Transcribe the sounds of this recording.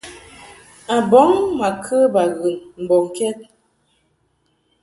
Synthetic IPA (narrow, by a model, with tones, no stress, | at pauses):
a˨bɔ˨˦ŋma˨kʰə˦ba˨ɣə˨mm̩˨bɔ˨ŋ˨kɛ˦t̚